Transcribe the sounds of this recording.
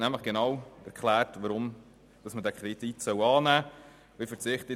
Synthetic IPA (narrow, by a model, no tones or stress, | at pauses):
næmləχɡ̥enɑwɛɾkχlæːɾtʋɑɾʊm | d̥ɑsmədækʰɾititsœwɑːnæː | ʋifəɾt͡sɪχt̪ə